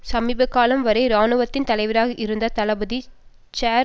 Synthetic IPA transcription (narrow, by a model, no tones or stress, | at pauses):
sɐmiːbɐkːaːlɐmʋɐɾɐɪɾaːnɯʋɐt̪ːɪnt̪ɐlɐɪʋɐɾaːɣɐʔɪɾɯnd̪ɐt̪ɐlɐbɐði | t͡ʃaː